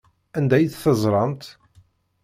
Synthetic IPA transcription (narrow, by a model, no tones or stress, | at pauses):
ænd̪æjθθəzˤɾˤɑnt̪